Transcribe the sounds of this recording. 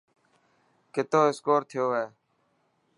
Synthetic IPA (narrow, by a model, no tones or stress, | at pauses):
kɪt̪oːɪskoːɾt̪ʰɪjoːɦeː